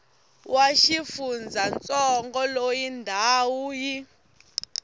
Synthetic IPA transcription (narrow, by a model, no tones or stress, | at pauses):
waʃifund͡zʱant͡sʼɔŋɡɔlojindʱaːwuji